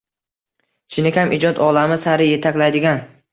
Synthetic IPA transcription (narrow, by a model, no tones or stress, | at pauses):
t͡ʃʰɪnɪkʲʰamʔɪd͡ʒɒt̪ɒlamɪsaɾɪje̞t̪ʰakʲlajd̪ɪɡʲan